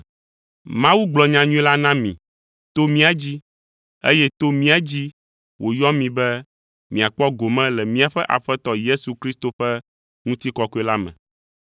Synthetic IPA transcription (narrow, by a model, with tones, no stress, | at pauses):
mã˦wu˦ɡ͡blɔ˨ɲã˨ɲũ˦ɛ˦la˦nã˦mḭ̃˨ | t̪o˦mĩ˦a˨d͡ʑi˦ | ḛ˦jɛ˦t̪o˦mĩ˦a˦d͡ʑi˦ | wo˨jɔ˦mĩ˨bɛ˦ | mĩ˨a˨k͡pɔ˦ɡo˨mɛ̃˦lɛ˨mĩ˦a˨ɸɛ˦ʔa̰˨ɸɛ˦t̪ɔ˦je˦su˨kɾi˦st̪o˨ɸɛ˦ | ŋũ˦t̪i˦kɔ˦ko˦ɛ˦la˦mɛ̰̃˨